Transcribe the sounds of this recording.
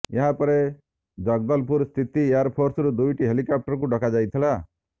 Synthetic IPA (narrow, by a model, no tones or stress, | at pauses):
jɐɦãpəɾe | d͡ʒəɡ̚d̪əlpuɾst̪ʰit̪ijaɾpʰoɾsɾud̪ujʈiɦelikap̚ʈəɾkũɖʱɔkad͡ʒajt̪ʰila